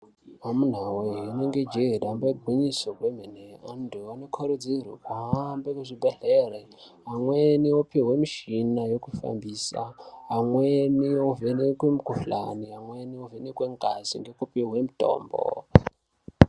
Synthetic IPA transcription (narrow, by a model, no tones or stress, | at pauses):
ɦamun̤aweɦineŋɡed͡ʒedambeɡʱiɲisokwem̤eneanduanokʰoɾed͡zirḭkwaɦambekuʐibʱeɮere | ɦamweniwopiɦwemiʃinajokufa̰mbiːsa̰ɦamwenijovenekwemukufla̰niɦamweniovenekweŋkʼazḭŋɡekupiɦwemitʼo̰ːmbo̰